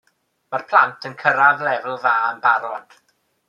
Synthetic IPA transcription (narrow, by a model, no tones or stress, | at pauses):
marpʰl̥ˠantʰənkʰəɾavlɛvl̩ˠvaːənbaɾɔd̥